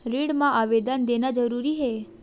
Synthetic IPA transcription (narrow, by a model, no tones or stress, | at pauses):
ɾiɽmãʔaʋed̪ənd̪enad͡ʒəɾuɾiɦe